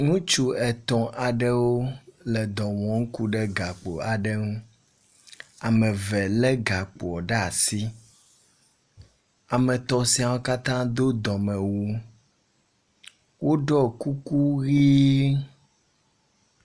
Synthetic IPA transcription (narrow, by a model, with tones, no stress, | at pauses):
ŋũ˦t͡ʃu˦ɛ˨t̪ɔ̃˨ʔa˨ɖɛ˦wo˦lɛ˨d̪ɔ̃˨wɔ̃˨ŋ̩˦ku˦ɖɛ˦ɡa˨k͡po˨a˨ɖɛ˦ŋũ˦ | a˨mɛ̃˨vɛ˨lɛ˦ɡa˨k͡po˨ɔ˨ɖɛ˦a˨si˦ | a˨mɛ̃˨t̪ɔ˨si˦a˨wo˦ka˦t̪ã˦d̪o˦d̪ɔ̃˨mɛ̃˨wu˦ | wo˦ɖɔ˦ku˦ku˦ɣi˦